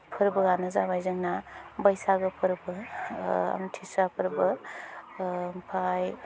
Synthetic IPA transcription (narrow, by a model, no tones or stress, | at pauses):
pʰɯɾbɯɡanɯzabajzɯŋnabəjsaɡɯpʰɯɾbɯ | a̰mtʰisapʰɯɾbɯ | mpʰaj